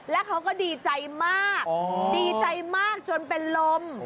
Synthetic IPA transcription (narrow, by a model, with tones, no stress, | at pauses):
lɛ˦˥kʰa˦˥wkɔː˥˩diː˧t͡ɕa˧jmaː˥˩k̚diː˧t͡ɕa˧jmaː˥˩k̚t͡ɕo˧npe˧nlo˧m